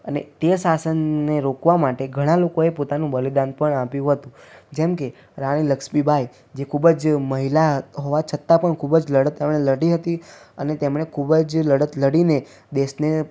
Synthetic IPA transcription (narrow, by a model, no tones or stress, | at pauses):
ənḛt̪esasənːeɾokʋamaʈeɡʱəɽ̃alokoepot̪anũbəlid̪anpəɳapjũɦət̪ũd͡ʒɛmke | ɾaɽ̃iləkʃmibʱai | d͡ʒekʰubəd͡ʒməɦilaɦoʋat͡ʃʰət̪apəɳkʰubəd͡ʒləɽət̪emɽ̃eləɽiɦət̪iənet̪emɽ̃ekʰubəd͡ʒləɽət̪ləɽine | d̪eʃne